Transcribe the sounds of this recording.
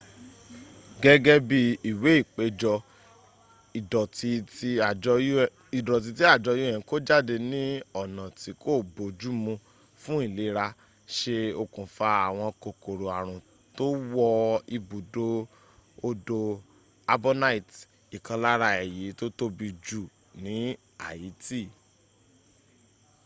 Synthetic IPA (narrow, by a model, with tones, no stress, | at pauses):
ɡɛ˦ɡɛ˦bi˧i˨we˨˦i˦˨k͡pe˧d͡ʒɔ˧ | i˨dɔ˨ti˧ti˦a˨˧˦ | i˨dɔ˨t̬i˧t̬i˦a˦˨d͡ʒɔ˧ju˦ɛ̃˨˧ko˦d͡ʒa˦˨de˧nĩ˦ɔ˦˨nã˨ti˨˦ko˦˨bo˨˦d͡ʒu˦mũ˧ | fũ˦i˦˨le˨˦ɾa˧ | ʃe˧o˧kũ˨fa˧˦a˨w̃ɔ̃˧ko˨ko˨ɾo˨a˨ɾ̃ũ˨ | to˦wɔ˧i˧bu˨do˧ | o˧do˧ | a˧bo˦na˦i˨t | i˨kã˧la˦ɾa˧ɛ˨ji˨˦to˦to˦bi˧d͡ʒu˦˨ | nĩ˨˦ | a˨i˨˦ti˦˨